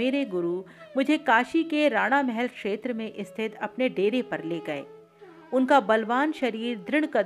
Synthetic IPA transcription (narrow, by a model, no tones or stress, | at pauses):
eːɾeɡʊɾumʊd͡ʒʱekaːʃikeɾaːɽ̃amɛɦɛlkʃeːt̪ɾəmẽʔɪst̪ʰɪt̪ʰɐpneɖeːɾepɐɾleːɡɐḛː | ʊnkabɐlʋaːnʃɐɾiːɾd̪ɾɪɽ̃kɐ